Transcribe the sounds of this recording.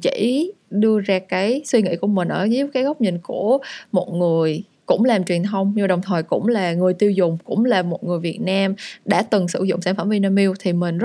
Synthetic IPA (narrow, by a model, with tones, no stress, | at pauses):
t͡ɕḭ˧˩˥ | ɗɨ˧əzaː˧kaː˨˦jswi˧ŋḭ˧˥ku˧˩əmï̟˨˩ʔəː˧˩zi˦˥p̚kaː˨˦jɣə˦˥wk͡p̚ɲï˨ŋ̟ku˧˩əmo˨˩t̚ŋɨ˨˩əj | kʊ̰˧˥ŋ͡mlaː˨˩mt͡ɕwi˨˩ənt̪ʰə˧wŋ͡mɲɨ˧ɗə˨˩wŋ͡mt̪ʰəː˨˩jkʊ̰˧˥ŋ͡mlaː˨˩ŋɨ˨˩əjt̪i˧əwzʊ˨˩ŋ͡mkʊ̰˧˥ŋ͡mlaː˨˩mo˨˩t̚ŋɨ˨˩əjvi˨˩ət̚naː˧mɗa̰ː˧˥t̪ɨ˨˩ŋsɨ˧˩zʊ̰˧˨ŋ͡msaː˧˩nfə˧˩mvi˧naː˧mi˧wt̪ʰi˨˩mï˨˩ŋ̟z